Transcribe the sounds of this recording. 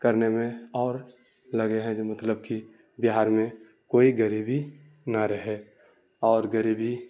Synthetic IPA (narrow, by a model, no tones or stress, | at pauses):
kəɾnemẽɔːɾ | ləɡeɦɛ̃d͡ʒmət̪ləbki | bɪɦaːɾmẽ | koːiɡəɾiːbi | naɾəɦe | ɔːɾɡəɾiːbi